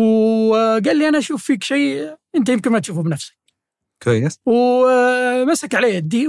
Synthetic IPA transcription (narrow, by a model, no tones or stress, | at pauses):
w | ɡaːlːiʔanaʔʃuːfːiːkʃiːʔɪnt̪ajɪmkɪnmat̪ʃuːfubnafsḁk̚ | kwajːɪsw | masakʕaleːd̪ːiː